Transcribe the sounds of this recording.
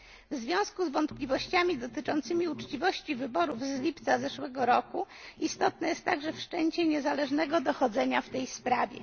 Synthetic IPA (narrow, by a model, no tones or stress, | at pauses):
vzvʲjɔ̃w̃skuzvɔnt̪plʲivɔɕt͡ɕamʲid̪ɔt̪ɘt͡ʂɔnt̪sɘmʲiut͡ʂt͡ɕivɔɕt͡ɕivɘbɔɾuvzlʲipt̪sazɛʂwɛɡɔɾɔku | ist̪ɔt̪̚nɛjɛst̪ːaɡʐɛfʂt͡ʂɛɲt͡ɕɛɲɛzalɛʐnɛɡɔd̪ɔxɔd̪zɛɲaft̪ɛjspɾavʲjɛ̰